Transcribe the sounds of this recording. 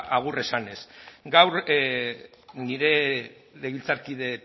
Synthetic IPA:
ʔaɣ̞ure̞sane̞sɡawɾ | niɾe̞ | leβilt͡saɾkið̞e̞

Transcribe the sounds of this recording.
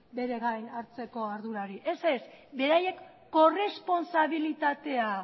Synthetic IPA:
be̞ɾe̞ɣajnaɾt͡se̞ko̞aɾðuɾaɾiʔe̞se̞sbe̞ɾaje̞kː | o̞re̞spo̞nsaβ̞ilit̪at̪e̞a

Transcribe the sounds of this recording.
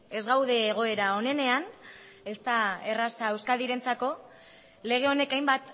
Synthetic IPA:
e̞zɣawðe̞ːɣ̞o̞e̞ɾao̞ne̞ne̞an | e̞st̪ae̞rasaewskaðiɾe̞nt͡sako̞ | le̞ɣ̞e̞o̞nekajmbat̪

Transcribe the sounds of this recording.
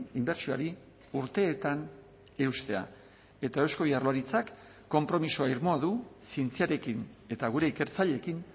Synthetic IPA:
imbe̞ɾt͡ʃioaɾi | uɾt̪e̞ːt̪an | e̞ust̪e̞a̰ | e̞t̪ae̞wsko̞βjarloaɾit͡sakː | o̞mpɾo̞misoaiɾmoaðusint͡siaɾe̞kine̞t̪aɣ̞uɾe̞ike̞ɾt͡saʎe̞kin

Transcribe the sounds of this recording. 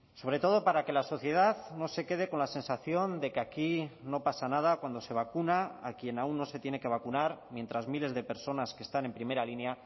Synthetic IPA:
so̞β̞ɾe̞t̪o̞ðo̞paɾake̞laso̞θje̞ð̞aðno̞se̞ke̞ð̞e̞ko̞nlase̞nsaθjo̞nd̪e̞keakino̞pasanað̞akwand̪o̞se̞β̞akunaakje̞naunːo̞se̞t̪je̞ne̞ke̞β̞akunaɾmje̞nt̪ɾazmile̞zðepe̞ɾso̞naske̞̥st̪ane̞mpɾime̞ɾalinja

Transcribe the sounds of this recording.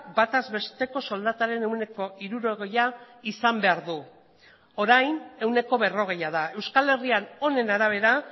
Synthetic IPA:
bat̪azβe̞st̪e̞ko̞so̞ld̪at̪aɾe̞ne̞wne̞ko̞iɾuɾo̞ɣeja | isambe̞aɾðu | oɾajne̞wne̞ko̞βe̞ro̞ɣ̞e̞jaðae̞wskale̞riano̞ne̞naɾaβ̞e̞ɾa

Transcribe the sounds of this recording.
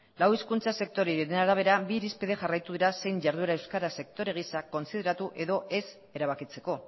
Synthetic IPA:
lawiskunt͡sase̞k̚t̪o̞ɾeɾiɾenaɾaβ̞e̞ɾabiɾispiðe̞ʝarajt̪uðiɾase̞jɲʝaɾðueɾae̞wskaɾase̞k̚t̪o̞ɾe̞ɣ̞isako̞nsiðe̞ɾat̪uʔe̞ðo̞ʔe̞s | e̞ɾaβ̞akit͡se̞ko̞

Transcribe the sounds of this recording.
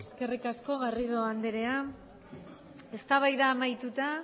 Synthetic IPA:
eske̞rikasko̞ɣarið̞o̞and̪eɾe̞a | e̞st̪aβajðaːmajt̪ut̪a

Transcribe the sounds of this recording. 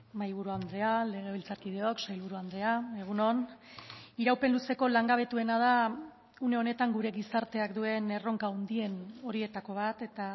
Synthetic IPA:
majβ̞uɾuand̪ɾeale̞ɣ̞e̞β̞ilt͡saɾkið̞e̞o̞ksajlβuɾuand̪ɾe̞ae̞ɣ̞uno̞n | iɾawpe̞nluse̞ko̞laŋɡaβ̞e̞t̪ue̞nað̞a | une̞one̞t̪aŋɡuɾe̞ɣisaɾt̪eakd̪ue̞ne̞ro̞ŋkaund̪ie̞no̞ɾie̞t̪ako̞β̞at̪e̞t̪a

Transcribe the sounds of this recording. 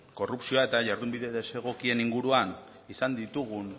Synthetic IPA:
ko̞rupsioae̞t̪aʝaɾðumbiðe̞ðese̞ɣ̞o̞kie̞niŋɡuɾuan | isand̪it̪uɣ̞un

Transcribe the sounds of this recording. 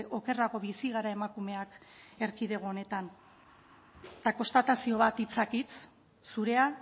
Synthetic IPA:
ʔo̞ke̞raɣo̞βisiɣaɾae̞makume̞ake̞ɾkiðe̞ɣ̞oːne̞t̪an | t̪ako̞st̪at̪asio̞βat̪it͡sakit͡s | suɾe̞a

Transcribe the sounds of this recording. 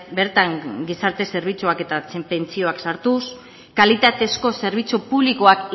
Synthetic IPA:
be̞ɾt̪aŋɡisaɾt̪e̞se̞ɾβ̞it͡suake̞t̪at͡sepe̞nt͡sio̞aksaɾt̪us | kalit̪at̪e̞sko̞se̞ɾβ̞it͡supuβlikoak

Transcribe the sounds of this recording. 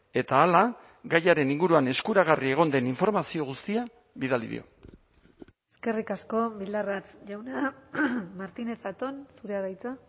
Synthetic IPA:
e̞t̪aːla | ɡajaɾe̞niŋɡuɾuane̞skuɾaɣ̞arie̞ɣ̞o̞nd̪e̞niɱfo̞ɾmasio̞ɣ̞ust̪ia | βiðalḭðḭo̞̰ | eske̞rikasko̞bild̪arat͡sʝawna | maɾt̪ine̞t͡sat̪o̞nsuɾeaðajt͡sa

